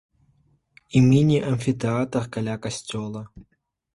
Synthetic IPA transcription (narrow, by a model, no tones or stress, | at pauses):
imʲinʲiʔɐnʲfʲit̪eat̪ərkɐlʲakɐsʲtʲolˠə